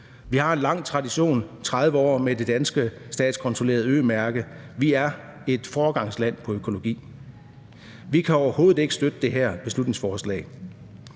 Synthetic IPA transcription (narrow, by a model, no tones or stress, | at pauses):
ʋihɑ̈e̝nlɑ̈ŋ̰t͡sʰʁɑ̈diɕo̝̰ːnt͡sʰʁɑð̞ˠʋəɒ̰ːmed̥e̝d̥ænsɡ̥əsd̥ɛ̰ːd̥skʰɒ̽nt͡sʰʁole̝ːɐð̞̩ˠø̰ːmæɐɡ̥əʋiæɐ | e̝d̥fɒːɡ̥ɑ̈ŋ̰slæn̰pʰɒ̽økʰo̝lo̝ɡ̥ḭː | ʋikʰæɒʊɐho̝ːð̩ˠe̝ɡ̥əsd̥ød̥əd̥e̝ɦæɐ̰b̥e̝slud̥ⁿneŋsfɒːslɛ̰ː